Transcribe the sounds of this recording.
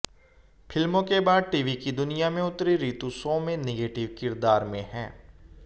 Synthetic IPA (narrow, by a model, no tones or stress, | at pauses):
pʰɪlmõkebaːd̪̚ʈiːʋikid̪ʊnijamẽʊt̪ɾiɾiːt̪usɔːmẽneɡeːʈɪʋkɪɾd̪aːɾmẽɦɛ̃ː